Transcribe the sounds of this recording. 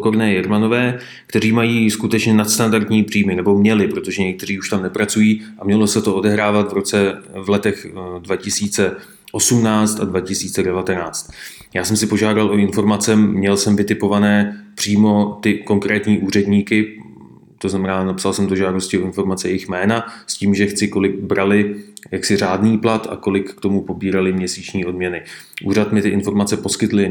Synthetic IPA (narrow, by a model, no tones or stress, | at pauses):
koɾnɛːjɛɾmano̞vɛː | kt̪ɛriːmajiːskut̪ɛt͡ʃɲɛnat̪st̪andart̪ɲiːbr̝iːmɪnɛbo̞mɲɛlɪpɾo̞t̪o̞ʒɛɲɛk̚t̪ɛr̝iːuʃt̪amnɛpɾat͡sujiːʔamɲɛlosɛt̪o̞ʔodɛɦɾaːvat̪vɾo̞t͡sɛvlɛt̪ɛxdvacɪsiːt͡sɛ | ʔo̞sumnaːt͡st̪advacɪsiːt͡sɛdɛvat̪ɛnaːt͡st̪̚ | jaːsɛmsɪpo̞ʒaːdalʔo̞ɪnfo̞ɾmat͡sɛmɲɛlsɛmvɪt̪ɪpo̞vanɛːpr̝̥iːmo̞t̪ɪko̞ŋkɾɛːt̪ɲiːʔuːrɛdɲiːkɪ | t̪o̞znamɛnaːnapsalsɛmt̪oʒaːdoscɪo̞ɪnfo̞ɾmat͡sɛjɛjɪxmɛːnasciːmʒɛxt͡sɪko̞lɪɡ̚bɾʔalɪjaksɪraːdniːplat̪a̰ko̞lɪkːt̪o̞mupo̞biːɾalɪmɲɛsiːt͡ʃɲiːʔo̞dmɲɛnɪʔuːɾat̪mɪt̪ɪʔɪnfo̞ɾmat͡sɛpo̞skɪt̪lɪ